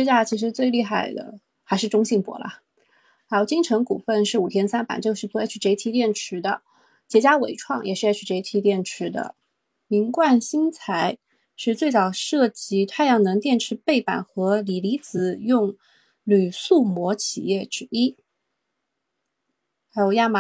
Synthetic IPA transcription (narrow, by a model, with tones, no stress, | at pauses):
ʂɻ̩˥t͡ɕja˥t͡ɕʰi˧˥ʂɻ̩˧˥t͡swe˥˧ɪli˥˧xa˥˩ɪd̪ə̰˩ | xa˧˥ɪʂɻ̩˥˩˧ʈ͡ʂʊ˥ŋɕi˥˩ŋpwɔ̰˧˥lə̰˧˥ | jo˧t͡ɕi˥ŋʈ͡ʂʰɤ˧˥ŋku˨˩fə˥˧nʂɻ̩˥˩u˨˩t̪ʰjɛ˥nsa˥npa̰˨˩nt͡ɕjo˥˧ʊʂɻ̩˥˩t͡swɔ˥˧˥y˨˩ʈ͡ʂe˧˥i˥˩t̪ʰi˧˥t̪jɛ˥˩nʈ͡ʂʰɻ̩˧˥d̪ə˧ | t͡ɕjɛ˧˥t͡ɕja˥wḛ˨˩ɪʈ͡ʂʰwɑ˥˩ŋjʔɛ˨˩ʂɻ̩˥˧˥t͡ɕʰy˨˩ʈ͡ʂe˧˥i˥t̪ʰi˧˥t̪jɛ˥˩nʈ͡ʂʰɻ̩˧˥d̪ə̰˧ | mi˧˥ŋkwa˥˩nɕi˥ŋt͡sʰa˧˥ɪ | ʂɻ̩˥˧t͡swe˥˩ɪt͡sɑ˨˩ʊʂɤ˥˩t͡ɕi˧˥t̪ʰwa˥˧ɪjɑ˥˩ŋnɤ˧˥ŋt̪jɛ˥˩nʈ͡ʂʰɻ̩˧˥pe˥˩ɪpa̰˨˩nxɤ˧˥li˨˩li˧˥t͡sɹ̩˨˧˩jʊ˥˩ŋ | ly˨˩su˥˩mwɔ˧˥t͡ɕʰḭ˨˩jɛ˥˩ʈ͡ʂɻ̩˥i˥ | xa˧˥ɪjo˨˩ʊja˥˩ma˨˩